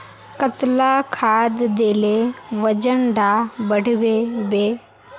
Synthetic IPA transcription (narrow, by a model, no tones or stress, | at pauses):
kət̪lakʰaːd̪d̪eːleʋəd͡ʒənɖabəɽ̤ʋebeː